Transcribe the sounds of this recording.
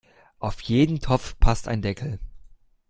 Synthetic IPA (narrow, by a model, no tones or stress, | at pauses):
ʔaʊfjeːdn̩tʰɔp͡fpʰastaɪndɛkʰl̩